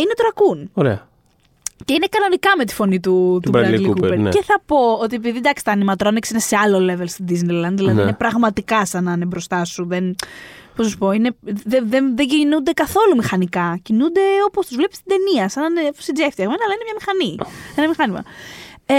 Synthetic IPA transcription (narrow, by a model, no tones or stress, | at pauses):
inet̪oɾɐkunoɾḛɐ | ce̞ine̞kɐno̞nikɐme̞t̪i̥fo̞nit̪ut̪ubɾɐlikupḛce̞θɐpo̞ot̪̬iep̬iðid̪ɐksit̪ɐnimɐt̪oɾɐneksine̞se̞ɐlo̞le̞velst̪id̪iznejlɐnðilɐðinepɾɐɣmɐt̪ikɐsɐnɐnebɾo̞st̪ɐsuðenposnɐs̬u̥po̞ine̞ðeðenðeɲɟinund̪e̞kɐθo̞lumixɐnikɐcinund̪e̞o̞post̪uzvle̞pist̪id̪e̞niɐsɐnɐnefosid͡zeft̪iɐɣmenɐlɐinemɲɐmixɐnienɐmixɐnimɐ̰